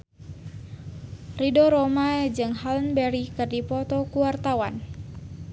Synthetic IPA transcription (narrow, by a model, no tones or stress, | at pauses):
ridɔɾɔmad͡ʒɨŋhalnbɛɾikɨrdipɔt̪ɔkuwart̪awa̰n